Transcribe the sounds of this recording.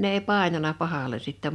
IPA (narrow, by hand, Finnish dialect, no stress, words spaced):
ne ei pɑˑi̞nɑnɑ pɑhɑle sitːɛ